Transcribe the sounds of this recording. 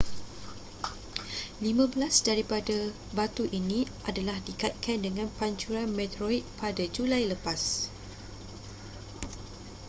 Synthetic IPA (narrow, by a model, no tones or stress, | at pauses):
limãbəlasdaɾipada | bat̪uʔinĩʔadalahdikat̪̚kʰandəŋãnpaɲt͡ʃuɾanmɛ̃t̪ɾoik̪̚padad͡ʒulajləpas